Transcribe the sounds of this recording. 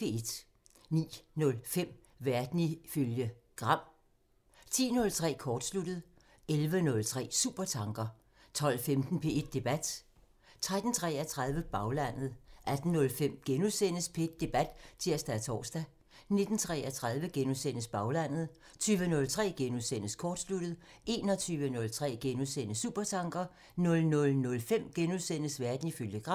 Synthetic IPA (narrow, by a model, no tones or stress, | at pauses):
ee̝d̥ | nḭːnɔ̽lfem̰ | ʋæɐd̥niføljə | ɡ̥ʁɑ̈m̰ | t͡sʰḭːnɔ̽lt͡sʰʁɛ̰ːkʰɒːd̥slud̥əð̞̩ˠ | elʋənɔ̽lt͡sʰʁɛ̰ːsṵːb̥ɐt͡sʰɑ̈ŋɡ̥ɐ | t͡sʰɒ̽l̰femd̥n̩pʰe̝e̝d̥̚ːe̝b̥æd̥ | t͡sʰʁad̥n̩t͡sʰʁɛ̰æt͡sʰʁað̞ˠʋəb̥ɑ̈ʊlæn̰ð̞̩ˠʔæd̥n̩nɔ̽lfem̰ɡ̥enusen̰əspʰee̝d̥̚ːe̝b̥æd̥t͡sʰiɐ̰sd̥æt͡sʰɒ̰ːsd̥æ | ne̝d̥n̩t͡sʰʁɛ̰æt͡sʰʁað̞ˠʋəɡ̥enusen̰əsb̥ɑ̈ʊlæn̰ð̩ˠ | t͡sʰyːʋənɔ̽lt͡sʰʁɛ̰ːɡ̥enusen̰əskʰɒːd̥slud̥ð̩ˠ | e̝ːnɒt͡sʰyːʋənɔ̽lt͡sʰʁɛ̰ːɡ̥enusen̰əsṵb̥ɐt͡sʰɑ̈ŋɡ̥ɐ | nɔ̽lnɔ̽lnɔ̽lfem̰ɡ̥enusen̰əsʋæɐd̥n̩ifyləɡ̥ʁɑ̈